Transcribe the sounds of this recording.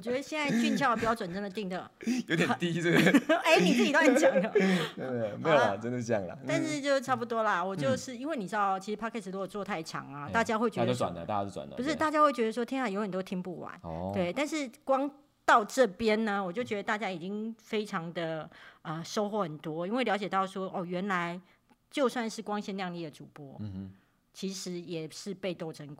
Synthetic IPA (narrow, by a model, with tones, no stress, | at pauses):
wɔ˨t͡ɕɥɛ˧˥d̪ə˧ɕjɛ˥˧nt͡sa˥˧ɪt͡ɕy˥˧nt͡ɕʰjɑ˥˩ʊ˩pt͡ɕjɑ˥˩wə˨˩nʈ͡ʂə˥nd̪ə˨t̪i˥˩ŋd̪ə˨˩jjo˧˥t̪jɛ˨˩nt̪i˥e˥˧e˧˥˩ɪni˨˩ʂ̩˥˩i˧t̪wa˥˩n˧t͡ɕjɑ˨˦ŋd̪ə˨˦˥ | me˧˥o˨˩l̰ʈ͡ʂə˥nd̪ə˨˧˥jɑ̰˥˩ŋlə̰˨˩a˥˧nʂɻ̩˥˧t͡ɕjo˥˧ʊʈ͡ʂʰa˥˩pu˧˩t̪wɔ˥lɐ˨wɔ˨˩t͡ɕjo˥˧ʊʂɻ̩˥˩i˥nwe˥˩ɪni˨˩ʈ͡ʂɻ̩˥d̪ɑ˥˨˩t͡ɕʰi˧˥ʂɻ̩˧˥pʰa˥kʰɛ˥˩s̩˨˩o˥jo˨˩ʊt͡swɔ˥˧t̪ʰa˥˩ɪt͡ɕʰjɑ̰˧˥ŋɐ˩t̪a˥˩t͡ɕja˥xwe˥˩ɪt͡ɕɥo˥˧wa̰˨˩nd̪ə̰˦a̰˥˩ja˥˦o˥˩t͡swa̰˨˩d̪ə̰˦u˧˥ʂɻ̩˥˧t̪a˥˩t͡ɕja˥xwe˥˩ɪt͡ɕɥɛ˧˥d̪ə˧ʂwɔ˥t̪ʰi˥na˨˥˩jo˧˥ʊxə˨˩o˥t̪ʰi˥ŋpu˥˩wa̰˧˦nt̪we˥˩ɪt̪a˥˧nʂɻ̩˥˩kwɑ˥ŋ | t̪ɑ˥˧ʊʈ͡ʂɤ˥˩pjɛ˥nnə˨wɔ˨˩t͡ɕjo˥˩ʊt͡ɕɥɛ˧˥d̪ə˧t̪a˥˩t͡ɕja˥i˨˩t͡ɕi˦˥ŋfe˥ɪʈ͡ʂʰɑ˧˥ŋd̪ə˨ə˧ʂo˥ʊxwɔ˥˩xə˨˩nt̪wɔ˥i˥nwe˥˩ɪljɑ˧˥ʊt͡ɕjɛ˨˩t̪ɑ˥˩ʊʂwɔ˥ʔɔ˥˩ɥɛ˧˥nla˧˦ɪ | t͡ɕjo˥˧ʊswa˥˧nʂɻ̩˥˩kwɑ˥ŋɕjɛ˥nljɑ˥˧ŋli˥˩d̪ə˩ʈ͡ʂu˨˩pwɔ˥ | t͡ɕʰi˧˥ʂɻ̩˧˥jɛ˨˩ʂɻ̩˥˧pe˥˧ɪt̪o˥˩˧ʊʈ͡ʂʰə˧˥ŋk